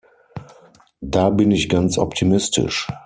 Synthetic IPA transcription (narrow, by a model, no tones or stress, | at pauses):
daːbɪnɪçɡ̥ant͡sʔɔ̰ptʰimɪstʰɪ̰ʃ